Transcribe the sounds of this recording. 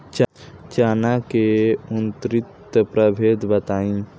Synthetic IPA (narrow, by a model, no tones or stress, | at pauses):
t͡ʃt͡ʃaːnakeunt̪ɾɪt̪əpɾəbʱeːd̪bət̪aːĩ